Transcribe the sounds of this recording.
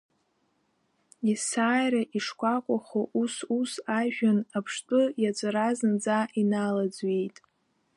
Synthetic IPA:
isaːjraʔiʂkʷʼakʷʼaχoʔususaʒᶣanapʰʂtʼɨjat͡ʃʷʼaɾazɨnd͡zaʔinalad͡zɥejtʼ

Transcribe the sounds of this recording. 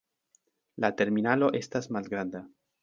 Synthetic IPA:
lat̪eɾminaloʔest̪azmazɡɾand̪a

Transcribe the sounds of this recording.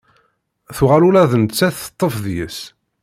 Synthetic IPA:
θuʁalulæðənət͡sːæθə̥t̪ˤːəfðjə̰s

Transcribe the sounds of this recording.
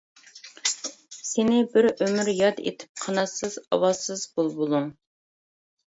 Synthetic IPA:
senɪbɪɾømyɾjɑd̪ḛt̪ʰɪ̥p̚qʰɑnɑsɨzɑ̰wɑzsɨzbolˠbolˠuŋ

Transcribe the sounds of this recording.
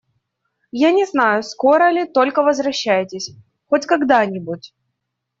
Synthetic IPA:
janʲɪznajʊsko̞ɾəlʲɪt̪o̞lʲkəvəzvɾɐɕːæjɪtʲɪsʲ | xotʲkɐɡd̪anʲɪbʊtʲ

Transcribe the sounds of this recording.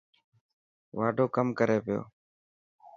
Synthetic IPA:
ʋaːɖʱoːkəmkəɾeːpɪjo̰ː

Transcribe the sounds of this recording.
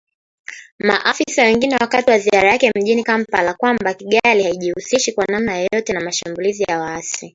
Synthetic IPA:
maʔafisawɛŋɡinɛwakatiwaziaɾajakɛm̩ʄinikam̩palakwambakiɠalihaiʄihusiʃikwanamnajɔjɔtɛnamaʃambulizijawaasi

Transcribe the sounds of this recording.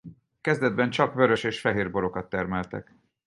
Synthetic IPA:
kɛzd̪ɛd̪̚bɛnt͡ʃɒkvø̞ɾø̞ʃeːʃfɛɦeːrbo̞ɾo̞kɒt̪ːɛrmɛlt̪ɛ̰k

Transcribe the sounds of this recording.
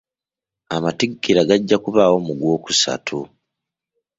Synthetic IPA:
amatiɡːiɾaɡaɟːakuβawo̞muɡwo̞ːku̥sa̰tʰu

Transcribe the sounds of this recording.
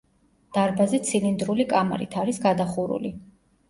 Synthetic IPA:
d̪̥aɾbazɛt̪sʰilind̪ɾulikʼama̰ɾḭt̪ʰaɾisɡad̪aχuɾṵli

